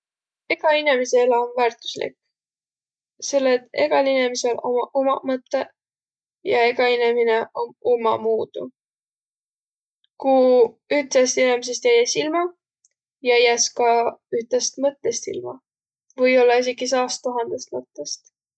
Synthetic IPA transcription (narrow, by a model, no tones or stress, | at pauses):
e̞ɡ̥ɑinemiseelɑonvæːrt̪ˑu̥slḭk | selːet̪ːe̞̰ɡ̥ɑlinemiselo̞mɑʔomɑmɤt̪ːˑe | jɑe̞ɡɑinemineo̞nomɑ̰muːd̪̥u | kuyht̪est̪inemis̬e̞st̪jæjesilmɑ | jɑjæskɑyht̪est̪mɤt̪ːest̪ḭlmɑ̰ | vɤjo̞lːɑis̬ikisɑːst̪uɦɑnd̪̥est̪mɤt̪ˑːe̞st̪